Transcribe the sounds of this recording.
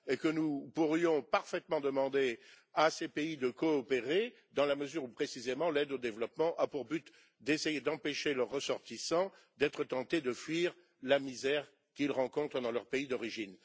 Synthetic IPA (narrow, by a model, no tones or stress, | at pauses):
ekənupuʁjɔ̃paʁfɛt̪mɑ̃d̪əmɑ̃d̪e | asepeid̪əkɔːpeʁe | d̪ɑ̃laməzyʁupχesizemɑ̃lɛd̪od̪evlɔpmɑ̃ʔapuʁbyt̪ | d̪esejed̪ɑ̃peʃelœʁːəsɔʁt̪isɑ̃ | d̪ɛt̪χət̪ɑ̃t̪ed̪əfɥiʁ | lamizɛʁ | kʲilʁɑ̃kɔ̃t̪χəd̪ɑ̃lœʁpeid̪ɔʁiʒin